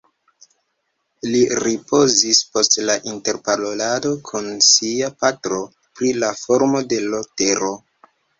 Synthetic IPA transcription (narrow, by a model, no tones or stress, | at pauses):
liɾipo̞zispo̞stlaʔinte̞ɾpalolado̞kʰunsiapatɾo̞ | pɾilafo̞ɾmo̞de̞lote̞ɾo̞